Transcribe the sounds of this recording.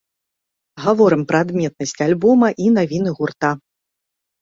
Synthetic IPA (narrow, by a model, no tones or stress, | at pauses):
ɣavɔɾɨmpɾɐːd̪mʲɛt̪̚nɐsʲt͡sʲalʲbɔmɐʔinavʲinɨɣurt̪a